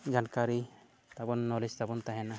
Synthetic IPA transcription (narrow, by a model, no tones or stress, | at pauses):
d͡ʒankaɾi | t̪abɔnːɔlist̪abɔnt̪aɦɛna